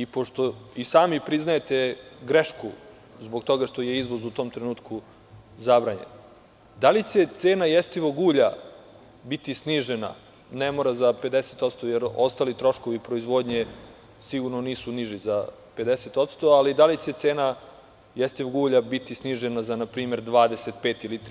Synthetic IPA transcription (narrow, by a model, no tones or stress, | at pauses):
ipoʂt̪o̞isaːmipɾiznajet̪eɡɾeʃku | zboɡt̪o̞ɡaʂt̪oje̞izʋo̞zut̪o̞ːmt̪ɾenuːt̪kʰu | zabɾaːɲḛn | d̪alit͡ɕe̞t̪seːnajest̪iʋoɡuːʎa | bit̪isniʒena̰ | nemoɾazape̞d̪eset̪ot̪st̪ojeɾo̞st̪aːlit̪ɾo̞ʃko̞ʋipɾo̞izʋo̞d̪ɲe̞ | siɡuɾnoniːsuniʒiza | pe̞d̪eset̪o̞t̪st̪o̞alid̪alit͡ɕe̞t̪seːna | jest̪iʋoɡuːʎabit̪isniːʒenazanapɾiːme̞ɾd̪ʋaːd̪e̞set̪̚peːt̪ilit̪